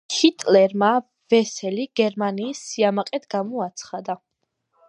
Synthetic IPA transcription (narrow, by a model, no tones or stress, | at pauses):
kʰit̪ʼlɛɾma | vɛsɛliɡɛɾmaniːsːiamaqʼɛt̪ʰɡamɔat̪sʰχad̪a